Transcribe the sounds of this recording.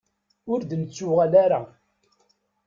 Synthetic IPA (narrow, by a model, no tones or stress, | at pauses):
ʊɾd̪ənt͡sːʊʁælaɾa